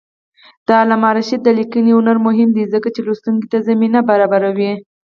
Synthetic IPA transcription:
d̪̥əlamɑɾaʃid̪əlikəniʊnaɾmʊɦɪmd̪izəkat͡ʃelust̪uŋki̥t̪azaminabaɾɑbaɾawi

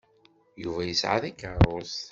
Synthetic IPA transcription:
juvæjəsʕa̰ðækːəɾˤos

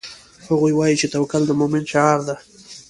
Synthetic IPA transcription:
haɣujwɑjit͡ʃet̪awkald̪əmomɪnʃaɑɾd̪a

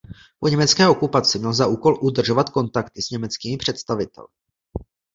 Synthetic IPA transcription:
po̞ɲɛmɛt͡skɛːʔo̞kupat͡sɪmɲɛlzaʔuːko̞lʔud̪r̩ʒovat̪ko̞nt̪akt̪ɪsɲɛmɛt͡skiːmɪpr̝̥ɛt̪st̪avɪt̪ɛ̰lɪ

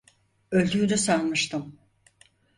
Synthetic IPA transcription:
ølʲd̪ʰyd̪ɛsalmɯʃt̪ʰɯm

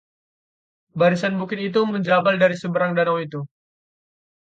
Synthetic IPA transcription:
baɾisanbukɪt̪it̪̬uməɲd͡ʒabaldaɾisəbəɾaŋdanawit̪u

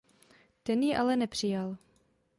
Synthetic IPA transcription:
t̪ɛnjɛʔalɛnɛpr̝̥ɪjal

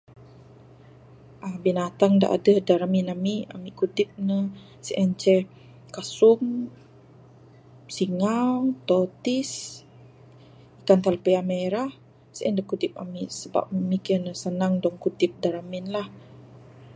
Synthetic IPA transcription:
ʔəbinat̪aŋda̰ʔa̰dəhdaɾaminamia̰miʔkut̪ɪp̚nə | səʔɛnt͡ʃɛ | kasum | siŋalt̪ɔt̪is | ikant̪alpeameɾah | səʔɛndəkut̪ɪp̚a̰misəba̰p̚mikinəsənaŋdɔŋkut̪ɪp̚daɾamɪnlah

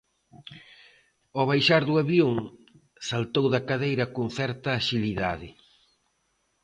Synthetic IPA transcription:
ɔβ̞ajʃaɾðuaβjoŋ | salt̪owðɐkaðejɾɐkoŋθɛɾt̪ɐːʃiliðaðɪ

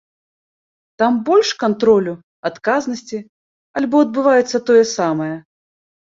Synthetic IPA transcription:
t̪ambɔlʲʂkant̪ɾɔlʲu | at̪kaznɐsʲt͡sʲi | alʲbɔɐd̪̚bɨvajɛt̪sːɐt̪ɔjɛsamɐjɐ

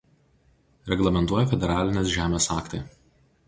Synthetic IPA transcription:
ɾʲɛɡlˠɐmʲɛnt̪uɔjɛfʲɛd̪ʲɛɾɑːlʲɪnʲes̬ʒʲæːmʲeːsɑːkt̪ɐɪ

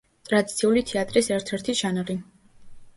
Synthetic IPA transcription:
t̪ʼɾad̪it̪sʰiulit̪ʰɛat̪ʼɾisɛɾt̪ʰɛɾt̪ʰiʒanaʁi

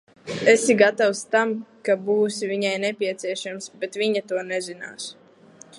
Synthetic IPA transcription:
esiɡat̪awst̪amkabuːsivʲiɲajnɛpʲiɛt̪sʲiɛʃamsbet̪vʲiɲat̪uɔnɛzina̰ːs

